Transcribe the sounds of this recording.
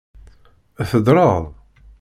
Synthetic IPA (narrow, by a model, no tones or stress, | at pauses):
æθəd̪ɾˤɑðˤ